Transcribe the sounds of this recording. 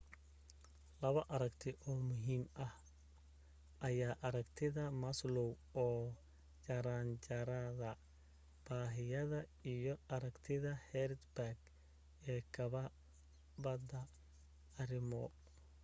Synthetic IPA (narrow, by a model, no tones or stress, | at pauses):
lɐβɐʔɐɾɐkt̪ʰɪʔɔːmʊɦiːmʔɐh | ʔɐjaːʔɐɾɐkt̪ʰɪðɐmɐslɔw | ɔː | t͡ʃɐɾaːnt͡ʃɐɾɐðɐ | b̥aːɦɪjɐðɐijɔɐɾɐkt̪ʰɪðɐhɛrd̪baɡ | ɛːkʰɐβɐ | bɐd̪ɐ | ɐɾɪmɔ